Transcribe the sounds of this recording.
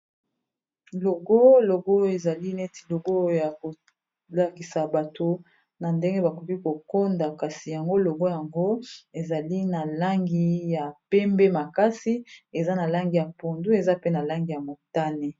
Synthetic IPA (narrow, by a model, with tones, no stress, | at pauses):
lo˨ɡo˦lo˨ɡo˦e˨za˨li˦ne˦ti̥˨lo˨ɡo˦ja˨ko˨ | la˨ki˨sa˨ba˨to˨ | na˨nde˦ŋɡe˦ba˨ko˨ki˦ko˨ko˦nda˨ka˨si˨ja˨ŋɡo˦lo˨ɡo˦ja˨ŋɡo˦e˨za˨li˦na˨la˦ŋɡi˦ja˨pɛ˦mbe˦ma˨ka˦si˦e˨za˦na˨la˦ŋɡi˨ja˨po˨ndu˦e˨za˦pe˦na˨la˦ŋɡi˨ja˨mo˨ta˦ne˨